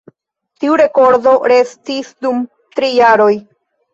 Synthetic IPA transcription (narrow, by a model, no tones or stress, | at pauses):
tiuɾe̞ko̞ɾdo̞ɾe̞stisdum | t̪ɾijaɾo̞j